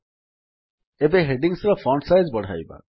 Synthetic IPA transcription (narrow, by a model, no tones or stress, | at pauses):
ebeɦeɖiŋsɾɔfɔɳʈsajzbɔɽ̤ʱa̰jba̰